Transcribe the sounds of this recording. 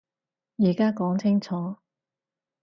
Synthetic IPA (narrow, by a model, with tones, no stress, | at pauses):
jiː˨˩kaː˥kɔː˨˥ŋt͡sʰɪ˥ŋt͡sʰɔː˨˥